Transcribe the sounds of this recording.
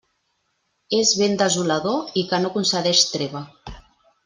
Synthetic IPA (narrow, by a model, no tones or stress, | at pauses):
ezβend̪əzulaðoikənokunsəðɛʃt̪ɾeβa